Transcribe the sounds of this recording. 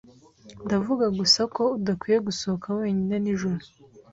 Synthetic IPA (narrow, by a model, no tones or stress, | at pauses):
ndavuɡaɡusakoudakwiːje̞ɡusokʰaweːɲineniʒuɾu